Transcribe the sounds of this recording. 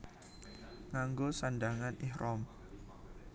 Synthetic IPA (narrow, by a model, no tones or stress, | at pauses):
ŋaŋɡosandaŋanɪhɾʔɔm